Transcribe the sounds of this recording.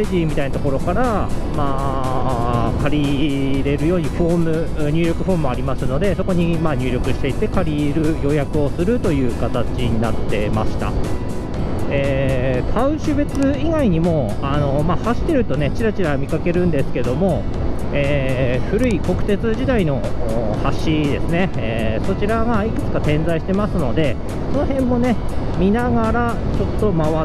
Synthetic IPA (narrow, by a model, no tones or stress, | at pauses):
eʑiːmʲit̪ainat̪oko̞ɾo̞kaɾamaː | kaɾʲiɾe̞ɾɯ̟jo̞ːɲ̟iɸo̞ːmɯ̟ɲ̟ɨːɾʲo̞kɯ̟ɸo̞ːmɯ̟mo̞aɾʲimasɨno̞d̪e̞so̞ko̞ɲ̟imaːɲ̟ʲɨ̟ːɾʲo̞kɯ̟ɕi̥t̪e̞it̪ːe̞kaɾʲiɾɯ̟jo̞ːjakɯ̟o̞sɨɾɯ̟t̪o̞jɯ̟ːkat̪at͡ɕiɲ̟inat̪ːe̞ma̰ɕi̥t̪a̰ | eːk̪ʰaɯ̟̃ɕɨbe̞t͡sɨiɡaiɲ̟imo̞ | ano̞mahaɕi̥t̪ːe̞ɾɯ̟t̪o̞ne̞t͡ɕiɾat͡ɕiɾamʲikake̞ɾɯ̟̃nd̪e̞sɨ̥ke̞d̪o̞mo̞ | eːɸɯ̟ɾɯ̟iko̞kɯ̟t̪e̞t͡sɨʑid̪aino̞ːhaɕid̪e̞sɨne̞eːso̞t͡ɕiɾaɡaikɯ̟t͡sɨ̥kat̪ẽ̞nd͡zaiɕi̥t̪e̞masɨno̞d̪e̞ | so̞no̞hẽ̞mːo̞ne̞ | mʲinaɡaɾa | t͡ɕo̞t̪ːo̞maβa